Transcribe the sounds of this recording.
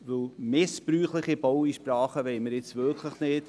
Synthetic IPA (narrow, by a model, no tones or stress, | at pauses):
vɵlmɪspɾyːχlɪχibowiʃprɑːχəʋeɪməɾjɪt͡svøkʰləχnɪːt